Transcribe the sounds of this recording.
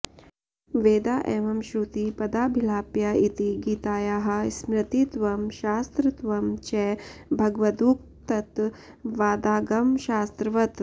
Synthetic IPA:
ʋeːd̪aːʔeːʋɐmʃɾuːt̪ipɐd̪aːbʱilaːpjaːit̪iɡiːt̪aːjaːɦɐ̆smɾɐt̪it̪ʋɐmʃaːst̪ɾɨt̪ʋɐmt͡ʃɛbʱɐɡʋɐd̪uːk̚ | t̪ɐt̪ | ʋaːd̪aːɡɐmʃaːst̪ɾɐʋɐt̪

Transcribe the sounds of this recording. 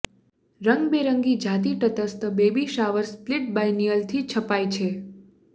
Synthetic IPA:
ɾəŋɡbeɾəŋɡid͡ʒʱat̪iʈət̪əst̪əbebiʃaʋəɾsplɪʈ̚bajnijəlt̪ʰit͡ʃʰəpajt͡ʃʰe

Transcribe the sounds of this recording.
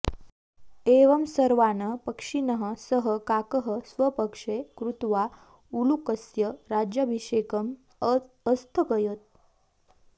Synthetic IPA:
eʋəmsəɾʋanəpəkʂinəɦəsəɦəkakəɦəsʋəpəkʂekɾut̪ʋa | ulukəsjəɾad͡ʑjəbʱiʂekəmː | st̪ʰəkəjət̪̚

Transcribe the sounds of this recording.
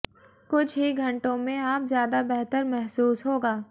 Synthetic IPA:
kʊt͡ʃʰɦiɡʱɐ̃ɳʈõmẽaːpzjaːd̪abɛɦt̪əɾmɛɦsuːsɦoːɡaː

